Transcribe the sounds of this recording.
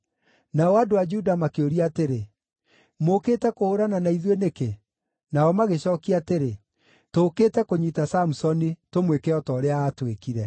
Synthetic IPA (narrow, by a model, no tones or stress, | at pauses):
naɔadoad͡ʒuudamakeoɾiateɾe | moketɛkooɾananaiðweneke | naɔmaɣeɕɔːkiateɾe | toːketɛkoɲitasamusɔnitomwekɛɔtɔːɾeaːtwekiɾɛ